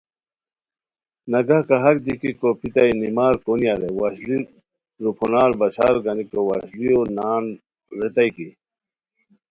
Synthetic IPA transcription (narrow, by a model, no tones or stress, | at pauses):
nɐɡɐkɐɦɐk̚d̪ikikopit̪ainimaːɾkoniaɾewaɕli | ɾupʰunaːɾbɐt͡ɕʰa̰ːɾɡɐnikowa̰ːɕlijonaːn | ɾet̪ɐiki